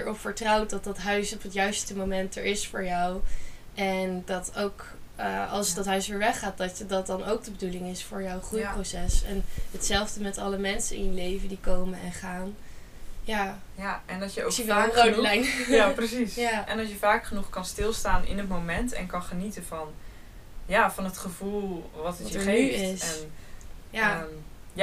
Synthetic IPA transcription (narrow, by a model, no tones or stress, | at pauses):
dəɹɔpfəɹtrʌwt̚dɑt̚dɑtɦœɥsɔpɦətjœɥstəmomɛntə̰ɹɪsfʊːɹjɑw | ʔɛndɑtowk | əɑlˠsdɑtɦœɥsʋɪːɹʋɛχaːt̚dɑtədɑt̚dɑnowk̚dəbədulɪŋɪsfʊːɹjawχrujprowsɛsɛnɦətsɛlˠvdəmɛtɑləmɛnsənɪ̰njəlejvəndikowmənɛnχaːn | jaː | jɛndɑjəsəʋɛlərowdlɛjnjaprəsisjaʔɛnɑsjəvaːkχənuχkɑnstɪlˠstaːnɪ̰nɦətmowmɛntɛ̰nkɑnχənitənvɑn | jaːvɑnɦətχəvulˠʋɑtəəeyɪsɛnja